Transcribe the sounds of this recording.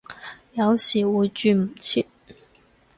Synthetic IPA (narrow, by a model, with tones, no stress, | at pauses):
jɑ˨˧˦ʊɕi˨˩wu˧˥t͡ɕy˥˩m̩˨˩t͡ɕʰi˥